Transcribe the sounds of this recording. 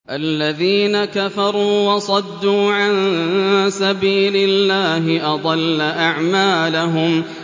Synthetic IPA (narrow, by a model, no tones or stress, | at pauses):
ʔalːaðiːnakafɑɾˤuːwɑsˤɑd̪ːuːʕan | sabiːlɪlːaːɦɪʔɑd̪ˤɑlːaʔaʕmaːlaɦʊm